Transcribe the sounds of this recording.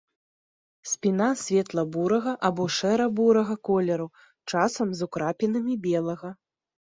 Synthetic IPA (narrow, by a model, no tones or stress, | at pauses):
sʲpʲin̪asʲvʲɛt̪lˠɐbuɾɐɣɐʔabɔʂɛɾɐbuɾɐɣɐkɔlʲɛɾu | t͡ʂasɐmzukɾapʲinɐmʲibʲɛlˠɐɣɐ